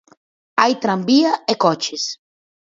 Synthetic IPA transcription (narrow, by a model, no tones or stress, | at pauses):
ajt̪ɾambiɐekɔt͡ʃɪs